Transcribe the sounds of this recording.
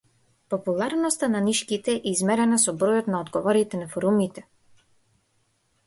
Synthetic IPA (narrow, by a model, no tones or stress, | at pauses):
pɔpulˠaɾnɔst̪ananiʃkit̪ɛʔɛizmɛɾɛnasɔbɾɔjɔt̪naɔd̪ɡɔvɔɾit̪ɛnafɔɾumit̪ɛ